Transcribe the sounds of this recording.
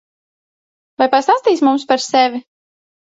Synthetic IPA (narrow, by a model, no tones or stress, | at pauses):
vajpast̪ast̪iːsmumspaɾsɛvʲi